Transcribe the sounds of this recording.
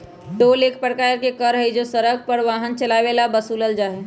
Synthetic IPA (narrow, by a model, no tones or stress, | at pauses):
ʈoːleːkʰpəɽkaːjəɾkekəɾɦəid͡ʒosəɾəɡ̚pəɽʋaːɦənt͡ʃəlaːʋelabəsuːləld͡ʒaːɦe